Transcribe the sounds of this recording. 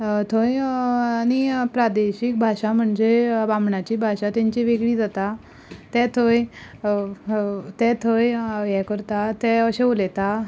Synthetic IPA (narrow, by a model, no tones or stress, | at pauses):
t̪ʰojañipɾad̪eɕik̚bʱaɕam̤əɳd͡zeʋamɳat͡ɕiːbʱaɕat̪ãɲt͡ɕiʋeɡɭiːd͡zat̪a | t̪ɛ̃t̪ʰoj | t̪ɛ̃t̪ʰojjɛkəɾt̪at̪ɛ̃əɕeolɛt̪a